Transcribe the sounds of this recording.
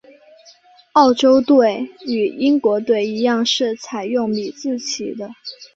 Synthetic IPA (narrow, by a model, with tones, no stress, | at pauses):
ɑ˥˩ʊʈ͡ʂo˥ʊt̪we˥˩ɪy˨˩i˥ŋkwɔ˧˥t̪we˥˩ɪi˧˥jɑ˥˧ŋʂɻ̩˥˩t͡sʰa˨˩ɪjʊ˥˩ŋpi˨˩t͡sɹ̩˥˩t͡ɕʰḭ˨˩d̪ə˦